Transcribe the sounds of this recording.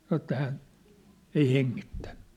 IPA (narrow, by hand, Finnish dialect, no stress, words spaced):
sɑnŏ ĕtːæ hæn ei heŋːitːæ̥n̥